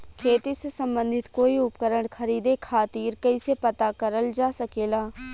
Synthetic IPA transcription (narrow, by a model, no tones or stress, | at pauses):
kʰeːt̪isesə̃mbə̃nd̪ʱɪt̪koːiʊpkəɾəɳ̃kʰəɾiːd̪ekʰaːt̪iːɾkɐisepət̪akəɾəld͡ʒaːsəkeːlaː